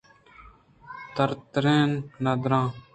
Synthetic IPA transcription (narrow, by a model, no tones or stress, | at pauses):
t̪əɾt̪ɾẽːnnɐd̪ɾãː